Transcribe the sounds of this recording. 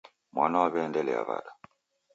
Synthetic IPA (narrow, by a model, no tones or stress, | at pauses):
mwanaaβɛndɛlɛa̰βa̰da